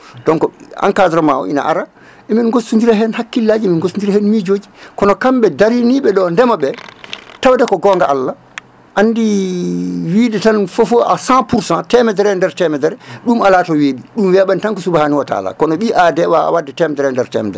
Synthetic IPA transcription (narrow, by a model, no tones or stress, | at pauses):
dɔnkɔa̰ŋkadɾɔmawɔ̰ḭna̰ʔaɾa | ʔɛminɡosund͡ʒiɾaɦɛnhakːilːad͡ʒiminɡosund͡ʒiɾahɛnmid͡ʒoːd͡ʒikɔnɔkamɓɛdaɾiniɓɛɗɔndɛmaɓɛtawdɛkɔɡɔŋɡaʔalːa | ʔanːdi | widɛtanfofoʔa̰sãpuɾsãtɛmɛdɛɾɛndɛɾtɛmɛdɛɾɛɗumalatɔweɓiɗumwɛɓɛntaŋkɔsubahaniwata̰la̰kɔnɔɓiʔadɛwaa̰wadːɛtɛmɛdɛɾɛndɛɾtɛ̰mɛ̰dɛɾɛ